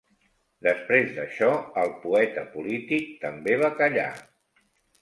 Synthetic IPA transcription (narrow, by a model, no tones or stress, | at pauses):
d̪əspɾezd̪əʃɔəlˠpuɛt̪əpulit̪ik̚t̪əmbeβ̞akəʎa̰